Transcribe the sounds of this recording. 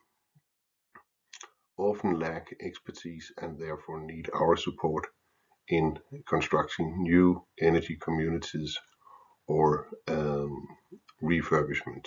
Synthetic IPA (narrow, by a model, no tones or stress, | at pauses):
ɑfn̩lækɛkspə˞tʰiz̥ɨ̃nðɛɹfɔɹniɾa̰ʊə˞səpʰɔɹɾ | ʔɪ̃nkʰə̃nstɹ̥ʌk̚tʰɪ̃ŋnjʉʔɛnɨɾikʰəmjʉnɨɾiz | ə | ɹifɜ˞bɨʃmə̃nt